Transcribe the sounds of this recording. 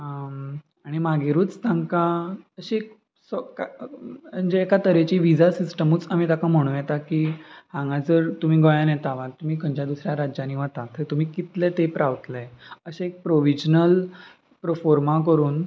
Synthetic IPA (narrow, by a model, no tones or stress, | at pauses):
ə | aɽ̃imaɡeɾuːt͡st̪ãŋkaəɕiek | skaənd͡ʑeekat̪əɾet͡ɕiːʋid͡zasisʈəmuːt͡sam̤it̪akam̤əɽ̃ũːjɛt̪akiːhãŋɡad͡zəɾt̪um̤iːɡɔjanjɛt̪aʋãt̪ːum̤iːkəɲd͡ʑjad̪usɾjaɾad͡ʑjaniʋat̪at̪ʰːət̪um̤iːkit̪let̪epɾaʋt̪lɛəɕẽek̚pɾoʋid͡ʑnəl | pɾəfoɾmak̬əɾuːn